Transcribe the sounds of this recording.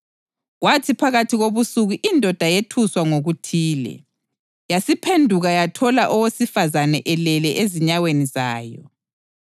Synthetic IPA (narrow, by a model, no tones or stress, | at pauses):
ɣwatʰipʰaɣatʰiɣoβusuɣuʔindʱɔd̥ʱajetʰuswaŋoɣutʰiːlɛ̰ | jasipʰendʱuɣajatʰɔlaʔɔwesifazanɛʔɛlɛlɛʔeziɲawenizaːjɔ̰